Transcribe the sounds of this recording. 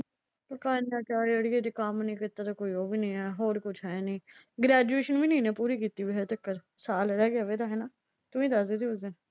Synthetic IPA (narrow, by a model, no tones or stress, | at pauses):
pəkaːnaːt͡ʃaːɾiːəɽiːed̪ikaːmnəĩːkɪt̪aːt̪akoːiːoːbiːnəĩːɛːɦoːɾkʊt͡ʃʰɦɛːnĩːɡɾɛːd͡ʒueːʃənʋiːnĩːnẽːpuːɾiːkiːt̪iːʋiːɦɛːt̪əkːəɾsaːlɾɛːɡɪaːʋeːd̪aːɦɛːnaː | t̪ʊʋĩːd̪aːsd̪eːt̪iːʊzen